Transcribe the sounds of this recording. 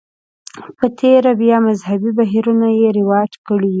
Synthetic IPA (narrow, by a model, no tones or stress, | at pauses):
pət̪ʰeɾabjɑmazɦabibaɦiɾunajeɾɪwɑjat̪kəɽi